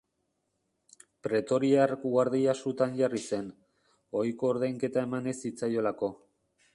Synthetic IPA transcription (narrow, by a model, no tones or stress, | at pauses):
pɾe̞t̪o̞ɾiarkuɣaɾðiasut̪anʝarise̞n | o̞jko̞ːɾðajŋke̞t̪ae̞mane̞sit͡sajo̞lako̞